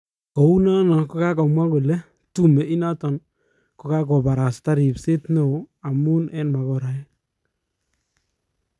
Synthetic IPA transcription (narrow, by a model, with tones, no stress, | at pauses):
kɔ˨u˦na˦nɔ˨ko˦ka˦kɔ˨mwa˦ku˨lɛ˦ | tu˦mɛ˨i˦na˦tɔ˨n | ko˦ka˦kɔ˨pa˨ɾa˨sta˦ɾi˨pse˦tno˨o˨a˨mu˦nɛ˦nma˨kɔ˨ɾa˨ɛ˦